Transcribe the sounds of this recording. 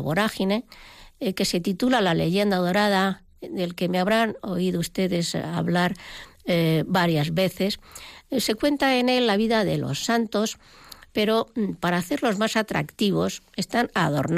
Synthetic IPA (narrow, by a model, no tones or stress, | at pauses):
βoɾaxine | ke̞se̞t̪it̪ulalale̞̰ʝe̞nd̪að̞o̞ɾað̞a | d̪e̞lke̞me̞aβɾano̞iðoust̪e̞ðe̞sa̰βlaɾ | baɾjazβe̞θe̞sse̞kwe̞nt̪aene̞lːaβiðaðe̞lo̞̰sːant̪o̞spe̞ɾo̞paɾaːθe̞ɾlo̞zmasat̪ɾa̰kt̪iβ̞o̞se̞st̪anaðo̞̰ɾn